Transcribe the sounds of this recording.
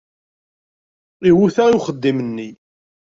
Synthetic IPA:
iwuθaiwχəd̪ːimənːi

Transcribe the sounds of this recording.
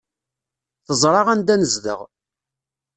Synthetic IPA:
θəzˤɾˤɑʁænd̪ænəzðə̰ʁ

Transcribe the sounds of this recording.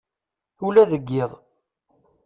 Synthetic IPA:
ulæðəɡːɪðˤ

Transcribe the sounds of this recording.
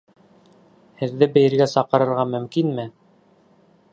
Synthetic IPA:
hɘ̆ðːɘbɘ̆jɘ̆ɾɡæsɑqɤ̆ɾɤ̆ɾʁɑmɵ̆mkinmɘ

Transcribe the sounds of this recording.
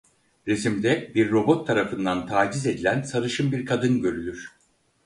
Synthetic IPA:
ɾesimd̪ɛbiɾːo̞bo̞t̪ʰːaɾafɯnd̪ant̪ʰaːd͡ʒize̞d̪ilʲænsaɾɯʃɯmbiɾkʰad̪ɯnɟø̞ɾylʲyɾ̥

